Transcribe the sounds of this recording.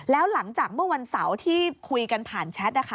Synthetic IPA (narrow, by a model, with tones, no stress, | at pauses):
lɛː˦˥wla˩˦ŋt͡ɕaː˨˩k̚mɯ˥˩ɐwa˧nsa˩˦wt̪ʰiː˥˩kʰu˧jka˧npʰaː˨˩nt͡ɕʰɛ˦˥t̪̚na˦˥kʰa˦